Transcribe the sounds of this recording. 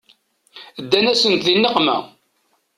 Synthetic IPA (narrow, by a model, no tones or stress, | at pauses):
d̪ːænæsənt̪ðinːəqmæ̰